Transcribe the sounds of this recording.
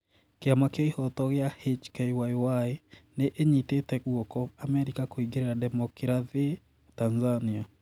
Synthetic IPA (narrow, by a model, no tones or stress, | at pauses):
keamakaihɔtɔɣjahet͡ʃkejwaiwaeneʔeɲitetɛɣwɔkɔamɛɾikakoiɡeɾeɾadɛmɔkiɾaðe | tanzania